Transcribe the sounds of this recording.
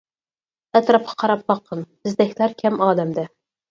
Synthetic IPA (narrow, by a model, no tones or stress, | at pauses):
ɛt̪ɾɑp̚qʰɑ̥qʰɑɾɑp̚bɑqʰːənbɨzd̪ɛkʲʰlæɾkʲʰɛmɑːd̪ɛmd̪ɛ